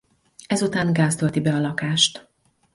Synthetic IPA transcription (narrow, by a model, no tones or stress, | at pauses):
ɛzut̪aːŋɡaːst̪ølt̪ibɛɒlɒkaːʃt̪